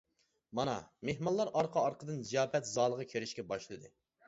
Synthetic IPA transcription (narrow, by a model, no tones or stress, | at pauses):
mɑnɑ̰mehmɑllˠːɑɾɑɾqʰɑɑɾqʰəd̪ɨnzijɑːpɛt̪zɑːlˠəʁɑkʲʰeɾɪʃkʲɛbɑʃlˠɨd̪ɨ